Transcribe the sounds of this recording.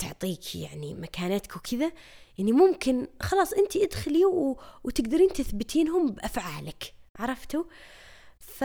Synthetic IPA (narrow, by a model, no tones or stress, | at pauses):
t̪ʊ̰ʕt̪ˤiːkja̰ʕnḭmakʰaːnat̪kwkʰɪða | ʔɪnːimʊmkɪnxɑlɑːsˤʔɪnt̪iʔad̪xɪliwwt̪ɪɡd̪ɑɾiːnt̪ɪθbɪt̪ʰiːnɦʊmbʔafʕaːlɪkʕɑɾˤɑft̪u | f